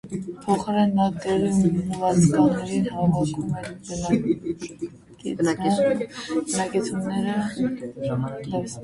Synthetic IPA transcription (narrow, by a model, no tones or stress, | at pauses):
pʰɔχɑɾɛnːɑt̪ɛɾiməvɑt͡sʰkɑnːɛɾinhɑmɑvɑkumɛɾbənɑ | ki | bənɑkɛt͡sʰunɛɾə | lɛs